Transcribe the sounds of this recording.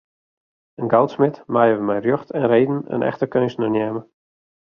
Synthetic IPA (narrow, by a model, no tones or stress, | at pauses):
ənɡawtsmɪtmajəʋəmɛjrjøxtɛnrejdn̩ə̰nʔɛ̰xtəkønsnənjɛːmə